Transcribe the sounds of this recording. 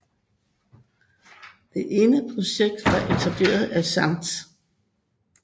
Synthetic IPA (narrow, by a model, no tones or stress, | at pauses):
d̥e̝ʔe̝ːnəpʰʁo̝ɕeɡ̥̚d̥ʋɑ̈ʔe̝t͡sʰæb̥le̝̰ːɐð̞̩ˠæɐsɑ̈md̥